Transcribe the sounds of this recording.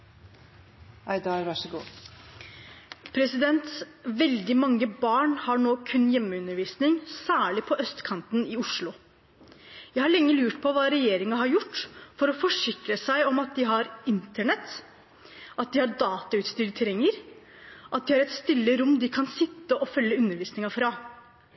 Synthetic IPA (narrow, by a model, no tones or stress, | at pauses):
æɪd̪ɑɾʋɑʂəɡṵː | pʰɾɛsɪd̪ɛnt̪ʋɛld̪ɪmɑŋːəbɑːɳhɑɳoːkʰʉnːjɛmːəʉnːəɾʋiːsnɪŋsæːɭɪpʰɔʔœst̪kʰɑnt̪nɪʊʂlʊ | jæɪhɑɭɛŋːəlʉːʈpʰɔʋɑːɾɛjeːɾɪŋɑɦɑɾjʊʈːfɔɾɔfɔʂɪkɾəsæɪɔmɑt̪̚d̪ɪɦɑɾɪnt̪əɳɛt̪ː | ʔɑt̪̚d̪ɪhɑd̪ɑːt̪ɑʉːt̪st̪ʏːlt̪ʰɾɛŋːəɾ | ʔɑt̪̚d̪ɪhɑɾɛt̪st̪ɪlːəɾʊmːd̪ɪkʰɑnsɪt̪ːəʔɔfœlːəʉnːəɾʋiːsnɪŋɑfɾɑ